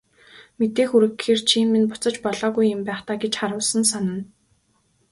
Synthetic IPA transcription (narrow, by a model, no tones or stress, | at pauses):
met̪eːxuɾɘ̆kxeːrt͡ɕʰiːnminpʊ̥t͡sə̆t͡ɕpɔɮɔːɣujɪmpæːχt̪aːɡet͡ɕχaɾʊːɮsə̆nsanə̆n